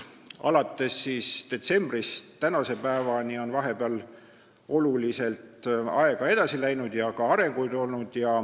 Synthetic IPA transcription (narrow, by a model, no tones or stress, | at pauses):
ɑ̰lɑt̪ːˑe̞sːiːsd̪̥e̞t̪se̞mb̥rist̪ːænɑse̞pæevɑnio̞nvɑɦe̞beɑl | o̞lulise̞lt̪ɑ̰e̞ɡ̥ɑe̞d̪̥ɑsilæjnud̪̥jɑkɑɑɾe̞ŋɡ̥ujd̪o̞lnud̪̥jɑ